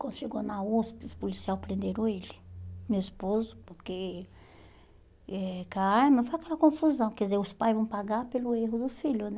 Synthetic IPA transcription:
kɐ̃nd̪ʊʃeɡonauspɪʊspolisiawpɾẽnd̪eɾõelɪ̥mewispozʊpoɾke | ɛkaaɾmɐfojakɛlɐkõfuzɐ̃w̃kɛdizeɾʊspajzvɐ̃w̃paɡaɾpelʊeɦʊd̪ʊfiʎʊnɛ

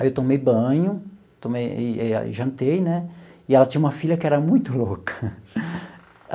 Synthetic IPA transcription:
aewt̪õmejbɐ̃ɲʊ | t̪õmejɪɛ̰ʒɐ̃nt̪ejnɛɪɛlɐtt͡ʃĩɲɐũmɐfiʎɐkɪɛɾɐmũj̃t̪ʊlokɐ̥

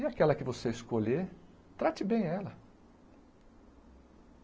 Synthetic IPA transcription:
iakɛlɐkɪvoseɪskoʎe | t̪ɾat͡ʃɪbẽj̃ɛlɐ

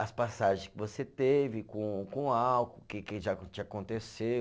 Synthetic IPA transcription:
ɐspasaʒẽskɪvoset̪evɪkõkõawkʊkɪkɪʒãt͡ʃɪakõnt̪esew

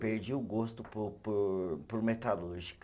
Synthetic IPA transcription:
peɾd͡ʒiwʊɡost̪ʊpʊppʊɾmet̪aluɾʒik

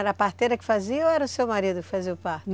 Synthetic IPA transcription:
ɛɾɐapaɾt̪ejɾɐkɪ̥faziɐoɛɾɐʊsewmaɾid̪ʊkɪ̥faziʊpan

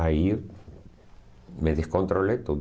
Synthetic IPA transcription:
ai | meðeskont̪ɾolet̪o

